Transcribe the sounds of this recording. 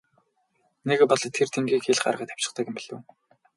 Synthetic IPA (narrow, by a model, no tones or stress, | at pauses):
nekpɔɮt̪ʰert̪ʰeŋɡiːkxeɮɢa̰rʁə̆t̪ḁw̥t͡ɕɪ̥̆χt̪ə̆kɘ̆mpiɮɘ̰̆w